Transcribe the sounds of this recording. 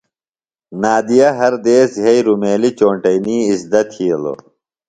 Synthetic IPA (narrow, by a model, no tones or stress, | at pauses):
naːd̪ijɐɦɐɾd̪eːsɦɐiɾumeːlit͡ɕoːɳʈɐjniːisd̪ɐt̪ʰiɐlo̰